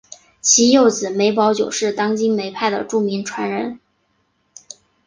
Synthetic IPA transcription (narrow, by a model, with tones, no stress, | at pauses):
t͡ɕʰi˧˥jo˥˩ʊt͡sɹ̩˨˩me˧˥ɪpɑ˧˥ʊt͡ɕjo˨˩ʊʂɻ̩˥˩t̪ɑ˥ŋt͡ɕi˥ŋme˧˥ɪpʰa˥˩ɪd̪ə̰˩ʈ͡ʂu˥˩mi˧˥ŋʈ͡ʂʰwa˧˥nɻə˧˥n